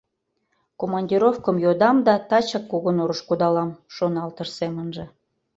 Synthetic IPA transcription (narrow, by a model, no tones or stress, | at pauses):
komɑnʲdʲiɾofkəmjod̪ɑmd̪ɑt̪ɑt͡ɕɑkːuɣənoɾəʃkud̪ɑlɑmʃonɑlt̪əʃsemənʒĕ